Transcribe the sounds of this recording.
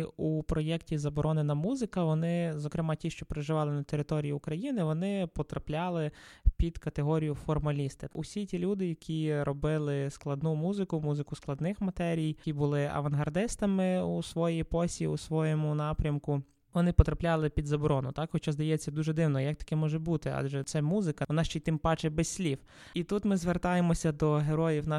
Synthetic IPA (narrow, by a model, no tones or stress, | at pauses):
upɾɔjɛktʲizɐbɔɾʔɔnɪnɐmuzɪkɐʋɔnɪzɔkɾɪmɑtʲiʃt͡ʃɔpɾeʒɪʋɑlˠɪnɐt̪eɾɪt̪ɔɾʲijiʊkɾɐjinɪʋɔnɪpɔt̪ɾɐplʲɑlˠɪpʲid̪kɐt̪eɦɔɾʲijʊfɔrmɐlʲist̪ɪʔusʲitʲilʲud̪ɪjɐkʲʰiɾɔbɪlˠɪsklˠɐd̪numuzɪkʊmuzɪkʊsklˠɐd̪nɪxmɐt̪ɛɾʲijkʲibʊlˠɪɐ̰ʋɐnɦɐrd̪ɪst̪ɐmɪusʋɔjijpɔsʲiusʋɔjɔmʊnɑpɾʲɐmkʊ | ʋɔnɪpɔt̪ɾɐplʲɑlˠɪpʲid̪zɐbɔɾɔnʊt̪ɑkxɔt͡ʃɑzd̪ɐjɛt͡sʲːɐd̪uʒɛd̪ɪwnɔjɐk̚t̪ɐ̥kʲɛmɔʒɛbut̪ɪɑ̰ʒɛt̪sɛmuzɪkɐʋɔnɑʃt͡ʃɛjt̪ɪmpɑt͡ʃɛbɛsʲsʲlʲiw | it̪ut̪mɪzʋert̪ɑjemɔsʲɐd̪ɔɦeɾɔjiwnɑ